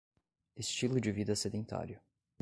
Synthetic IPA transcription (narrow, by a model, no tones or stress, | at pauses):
ɪst͡ʃilʊd͡ʒɪvid̪ɐsed̪ẽnt̪a̰ɾjʊ